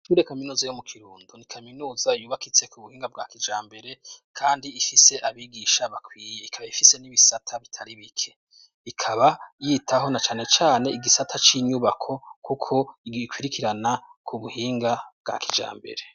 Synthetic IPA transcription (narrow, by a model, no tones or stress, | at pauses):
tuːɾekaminuːzajomukʰiɾuːndunikʰaminuːzajuːβakit͡se̞kuβuhiːŋɡab̚ɡakid͡ʒaːmbe̞ɾe̞kʰaːndiifise̞ʔaβiɡiːʃaβakwiːje̞ikʰaβajifise̞niβisatʰaβitʰaɾiβikʰe̞ | ikʰaβajiːtʰaɦo̞nat͡ʃaːne̞t͡ʃaːne̞iɡisatʰat͡ʃiːɲuβakʰo̞kʰukʰo̞ikwiːɾikʰiɾanakʰuβuhiːŋɡab̚ɡa̰kid͡ʒa̰ːmbe̞̰ɾe̞